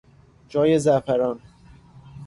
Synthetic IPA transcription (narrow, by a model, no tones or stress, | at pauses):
d͡ʒɒːjezæfæɾɒːn